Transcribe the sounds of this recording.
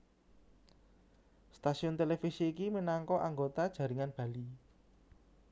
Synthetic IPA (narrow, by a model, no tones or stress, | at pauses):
st̪asiʊnt̪elefisiːkiminaŋkɔʔaŋɡot̪ad̥ʒ̥ä̤ɾiŋanb̥ä̤li